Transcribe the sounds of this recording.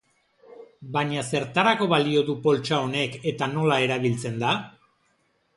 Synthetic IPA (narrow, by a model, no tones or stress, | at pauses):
baɲase̞ɾt̪aɾako̞βalio̞ðupo̞lt͡ʃao̞ne̞ke̞t̪ano̞lae̞ɾaβ̞ilt͡se̞nd̪a